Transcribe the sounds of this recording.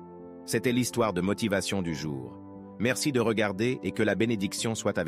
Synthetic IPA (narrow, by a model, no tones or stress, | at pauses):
sɛt̪ɛlist̪waʁd̪əmɔt̪ivasjɔ̃d̪yʒṵːʁ | mɛʁsid̪əʁəɡaʁd̪eʔekəlabened̪iksjɔ̃swat̪av